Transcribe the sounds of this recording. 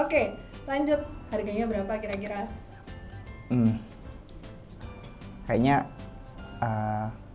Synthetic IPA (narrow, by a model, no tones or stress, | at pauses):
oke | laɲd͡ʒʊt̪̚harɡaɲabəɾapakiɾak̬iɾa | m̩ | kajaɲa | ə